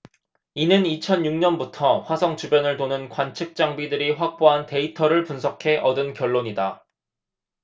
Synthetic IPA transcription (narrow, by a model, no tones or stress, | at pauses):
inɯnit͡ɕʰʌnjuŋɲʌnbutʰʌɸwasʰʌŋt͡ɕubjʌnɯɭtonɯnkwant͡ɕʰɯk̚t͡ɕ͈aŋbidɯɾiɸwak̚p͈oɦante̞itʰʌɾɯɭpunsʰʌkʰe̞ʔʌdɯnkjʌɭːoɲida